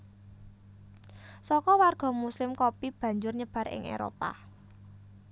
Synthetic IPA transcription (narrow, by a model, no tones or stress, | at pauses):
sɔkɔwarɡ̥ɔ̤muslɪmkopib̥ä̤ɲd͡ʒʊrɲəb̥a̤ɾɪ̰ŋʔḛɾo̰pa̰